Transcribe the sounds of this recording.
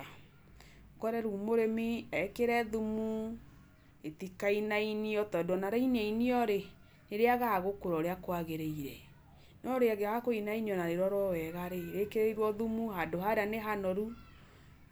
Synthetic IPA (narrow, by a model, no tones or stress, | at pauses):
kɔɾɛɾuːmoɾemiɛkeɾɛðumu | etikainainiɔtɔdɔnaɾainɛiniɔɾe | neɾeaɣaːɣokoɾɔɾeakwaɣeɾeiɾɛ | nɔɾeaɣeaɣakoinaiɲɔnaɾeɾɔɾwɔwɛɣaɾeɾekeɾeiɾwɔðumuhadoɦaɾeaneɦanɔɾu